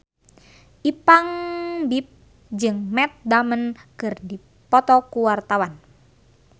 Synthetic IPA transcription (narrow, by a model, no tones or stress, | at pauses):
ʔipaŋbip̚ | d͡ʒɨŋmɛt̪̚damənkɨrdi | pɔt̪ɔkuwart̪awan